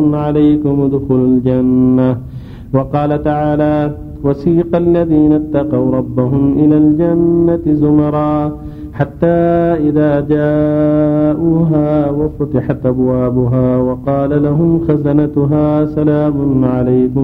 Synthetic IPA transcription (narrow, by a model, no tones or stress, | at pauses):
ʊnʕalajkʊmd̪ʊxʊlald͡ʒanːa | wɑqɑːlat̪aʕaːlaː | wasiːqɑlːaðiːnat̪ːɑqɑwɾˤɑbːaɦʊmʔɪlaːld͡ʒanːat̪ɪzʊmɑɾˤɑː | ħat̪ːaːʔɪðaːd͡ʒaː | ʔuːɦaːwafʊt̪ɪħat̪ʔabwaːbʊɦaːwɑqɑːlalaɦʊmxazanat̪ʊɦaːsalaːmʊnʕalajkʊm